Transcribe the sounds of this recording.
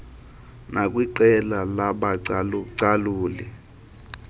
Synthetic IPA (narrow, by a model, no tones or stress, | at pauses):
nakʼwiǃɛlalaɓaǀaluːlɛ